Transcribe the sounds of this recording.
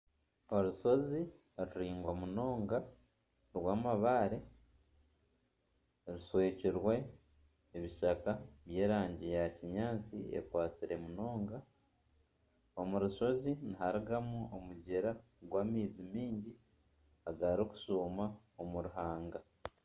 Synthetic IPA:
o̞ɾuʃo̞zi | ɾuɾiːŋɡwamuno̞ːŋɡa | ɾwaːmaβaːɾe | ɾusweːciɾwe̞ː | βiʃakaβje̞ːɾaːɲɟejaciɲaːt͡sḭḛkwaːt͡siɾe̞muno̞ːŋɡa | o̞muɾuʃo̞zinihaɾiɡamuomuɟeɾa | ɡwaːmiːzimiːɲɟi | aɡaɾoku̥suːma | omuɾuɦaːŋɡa

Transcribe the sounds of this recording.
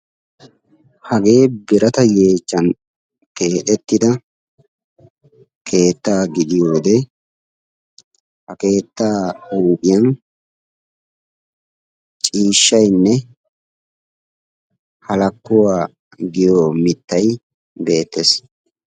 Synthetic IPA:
hɐɡe̞ːbɪɾɐt̪ɐje̞ːt͡ʃːɐn | ke̞ːt̪ɛt̪ːɪd̪ɐ | kʰe̞ːt̪ːaːɡɪd̪ɪjoːd̪ɛ | hɐke̞ːt̪ːaːuːkʼɪjɐn | t͡ʃʼiːʃːɐjnːɛ | hɐlɐkːʊwaː | ɡɪjoːmɪt̪ːɐj | be̞ːt̪ːes

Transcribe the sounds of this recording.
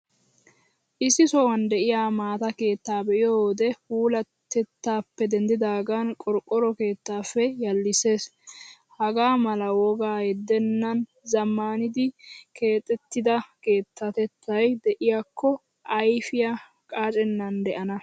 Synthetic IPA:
ʔɪsːɪsɔwɐnd̪ɛʔɪjaːmaːt̪ɐke̞ːt̪ːaːbɛʔɪjod̪ɛhuːlɐt̪ːɛt̪ːaːpːɛd̪ɛnd̪ɪd̪aːɡaːnkʼɔɾkʼːɔɾɔke̞ːt̪ːaːfːɛjɐlːɪse̞ːs | hɐɡaːmɐlɐwɔɡaːjɛd̪ːɛnːɐn | zɐmːaːnɪd̪ɪke̞ːt̪ʼːɛt̪ːɪd̪ɐke̞ːt̪ːɐt̪ɛt̪ːɐjd̪ɛʔɪjaːkʰːɔ | ɐjfɪja | kʼaːt͡ʃʼɛnːɐnd̪ɛʔɐnɐ

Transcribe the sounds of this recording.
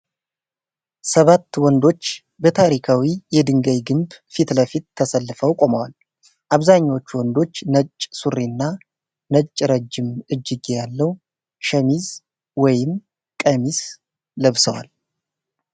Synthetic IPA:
səβat̪ːwɔnd̪o̞t͡ʃː | bət̪ʰaɾikʰawijɛd̪ɨŋɡəjɡɨmbfit̪ləfit̪̚t̪ʰːəsəlːɨfəwkʼo̞məwal | ʔaβzaɲːawot͡ʃːwɔnd̪o̞t͡ʃːnət͡ʃʼːsuɾːinːa | nət͡ʃʼːɾəd͡ʒːɪmʔɨd͡ʒːɪɡejalːəw | ʃəmiz | wɔjɪm | kʼəmis | ləβsəwa̰l

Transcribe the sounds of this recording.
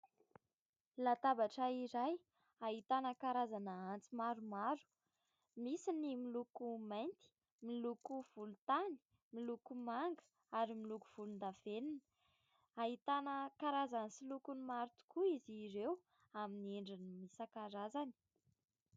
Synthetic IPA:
lat̪abaʈ͡ʂaiɾaj | aɦit̪anəkaɾazanəant͡simaɾumaɾu̥ | misinimilukumajnt̪i̥ | milukuv̥ulut̪ani̥ | milukumaŋɡə̥ | aɾimilukuv̥ulund̪av̥eninə̥ | aɦit̪anəkaɾazansilukunimaɾut̪u̥kuiziɾew | aminieɳɖ͡ʐinimisakaɾazani̥

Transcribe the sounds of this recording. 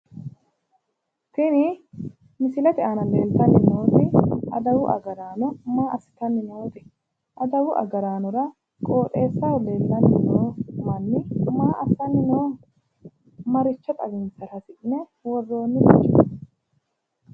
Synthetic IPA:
t̪ɪnɪ | mɪsɪlɐt̪ɪʔanɐle̞ːlt̪ɐnːɪnoːt̪ɪɐd̪ɐwʊʔɐ̰ɡɐɾaːnʊmaːʔɐsɪ̥t̪ɐnːɪnoːt̪ɪ | ʔɐd̪ɐwʊʔɐ̰ɡɐɾaːnʊɾɐ | kʼo̞ːt̪ʼe̞ːsːɐwɔle̞ːlt̪ːɐnːɪnoːmɐnːɪʊmaːʔɐsɐnːɪnoː | mɐɾɪt͡ʃːɐt̪ʼɐɡɪnsɐɾɐsɪʔnɛ | wɔrːo̞ːnːɪbɐt͡ʃʼːɐ

